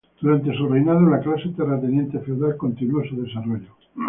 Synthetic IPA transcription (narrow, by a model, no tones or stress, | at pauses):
d̪̥uɾant̪̬e̞s̬urejnaðolaklaset̪eret̪enje̞nt̪efewðalko̞nt̪inuosuðe̞saroʎo